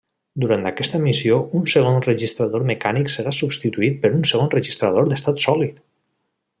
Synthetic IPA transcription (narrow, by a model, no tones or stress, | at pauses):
d̪uɾant̪akɛst̪əmisiounsəɣ̞onrəʒist̪ɾaðoɾmekaniksəɾasubst̪it̪uit̪̚pəɾunsəɣ̞onrəʒist̪ɾaðoɾd̪əst̪at̪sɔlit̪